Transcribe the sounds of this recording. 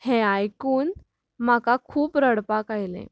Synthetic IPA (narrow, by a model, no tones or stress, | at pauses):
heajkuːn | m̤akakʰuːpɾəɽpakajlḛ̃